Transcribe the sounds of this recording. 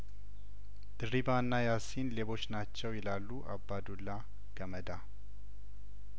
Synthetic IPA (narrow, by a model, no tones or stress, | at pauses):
d̪̥ɨribanːajasinleβo̞t͡ʃːnat͡ʃːɛwjɛlalːuʔa̰bːad̪ulːa | ɡ̥əməd̪a